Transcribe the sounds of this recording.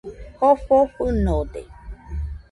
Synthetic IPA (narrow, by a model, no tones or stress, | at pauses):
hɔfɔɸunodḛ